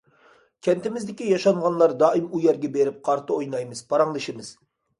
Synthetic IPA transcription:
kʲʰɛnt̪ɪmɪzd̪ɪkʲijɑʃɑɴʁɑnlˠɑɾd̪ɑʔimujɛɾɡʲɛbeɾɪp̚qʰɑɾt̪ʰɨojnɑjmɨz̥pʰɑɾɑŋlˠɨʃɪmɨz

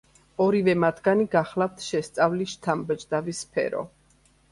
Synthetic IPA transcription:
ɔɾivɛmat̪ʰɡaniɡaχlˠaft̪ʰʃɛst̪sʼavliʃt̪ʰambɛd͡ʒd̪avispʰɛ̰ɾɔ̰

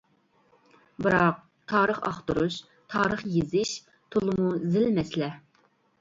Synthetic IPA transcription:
bɨɾɑq̚ | t̪ʰɑːɾəχɑ̰χt̪uɾuʃ | t̪ʰɑːɾəχjezɪʃ | t̪ʰolˠɨmuzɪlmɛslɛ

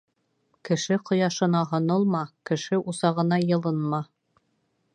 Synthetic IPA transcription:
kɘ̆ʃɘqʰŏjɑʃɤ̆nɑɦŏnɤlˠmɑkɘ̆ʃɘʔusɑʁɤ̆nɑjɤ̆lˠɤnmɑ

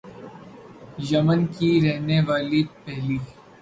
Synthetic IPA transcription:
jɐmənkiɾɛɦneʋaːlipɛɦliː

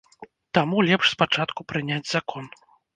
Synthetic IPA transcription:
t̪amulʲɛpʂspat͡ʂat̪kupɾɨnʲad͡zʲzakʰɔn

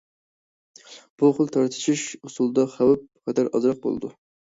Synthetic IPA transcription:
b̥uχəlˠt̪ʰɑɾt̪ʰɨ̥ʃʰiʃusulˠd̪ɑχæwɛp̚qʰɛd̪ɑɾɑ̰zɾɑq̚bo̰lˠɨ̰d̪u

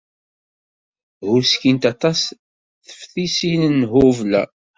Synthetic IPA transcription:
hʊɾskint̪ɑt̪ˤɑs | θə̥fθisinnːɦʊvlæ̰

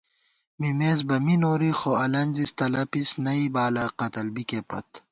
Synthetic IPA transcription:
mimeːz̬bɐminoːɾixoɐlɐnʲzist̪ɐlɐpisnɐibaːlɐqɐt̪ɐlbikepɐ̰t̪

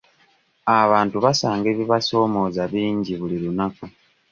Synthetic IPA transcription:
aβaːntuβasaːŋɡe̞ːβiβaso̞ːmo̞ːzaβiːɲɟiβuliɾunaku

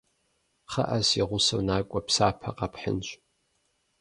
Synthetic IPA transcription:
χa̰ʔasiʁʷʊsownaːkʷʼapʰsaːpʰaqʼapʰħə̰nt͡ʃʷʼ

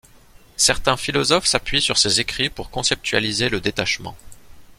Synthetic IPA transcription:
sɛʁt̪ɛ̃filɔzɔfsapɥisyʁsezekχipuʁkɔ̃sɛp̚t̪ɥa̰lizeləd̪et̪aʃmɑ̰̃

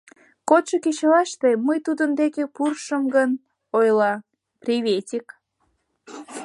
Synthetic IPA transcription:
kot̪ʃəket͡ɕlɑʃt̪eməjt̪ud̪ənd̪ekepurʃəmɡən | ojlɑ | prʲiβet̪ʲik

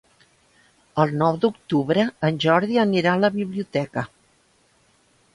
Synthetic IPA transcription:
əlˠnɔwd̪uk̚t̪uβɾəːnʲʒɔɾðiəniɾaələβiβliut̪ɛkə

